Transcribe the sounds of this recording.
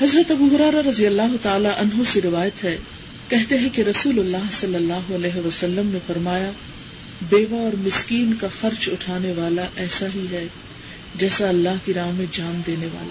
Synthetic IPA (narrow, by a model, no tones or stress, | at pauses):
hɐzɾət̪ɐbuɦʊɾɛːɾaɾɐzijəlːaːɦot̪aːlaʔɐnɦoseɾɪʋaːjət̪ɦɛ | kɛɦt̪eɦɛ̃keɾɐsuːlolːaːɦsɐlːəlːaːɦoɐlɛːɦeʋɐsɐlːəmnefɐɾmaːja | beːʋaɔːɾmɪskiːnkaxɐɾt͡ʃʊʈʰaːneʋaːlaʔɛːsaɦiɦɛː | d͡ʒɛːsaɐlːaɦkiɾaːmẽd͡ʒaːmd̪eːneʋa̰ːla̰ː